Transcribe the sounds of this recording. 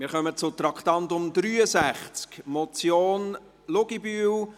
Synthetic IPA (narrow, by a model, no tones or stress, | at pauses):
mɪːɾχœmət͡sʊt̪ɾɑkt̪ɑntʊmd̪ɾyːəsæχt͡skmɔt͡sjoːn | lʊɡibyːw